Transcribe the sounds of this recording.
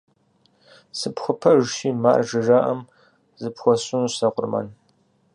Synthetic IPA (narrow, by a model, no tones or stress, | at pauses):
sɨpxʷʊpʰɐʒʃiːma̰ːrʒɨʒaːʔɐm | zɨpxʷɔɕunsɐqʷʼʊrmɐ̰n